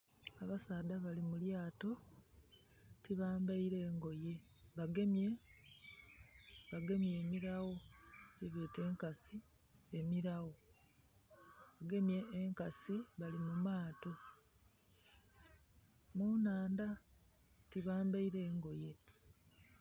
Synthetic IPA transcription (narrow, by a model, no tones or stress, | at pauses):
aβasaːd̪aβalimuljaːto̞ | tiβaːmbaiɾe̞ːŋɡo̞je | βaɡe̞mje̞ | βaɡe̞mje̞ːmiɾaɣo̞ɟeβeːte̞ːŋkasi | emiɾaɣo̞ | βaɡe̞mje̞ːŋkasiβalimumaːto̞ | munaːnda | tiβaːmbaiɾe̞ːŋɡo̞je̞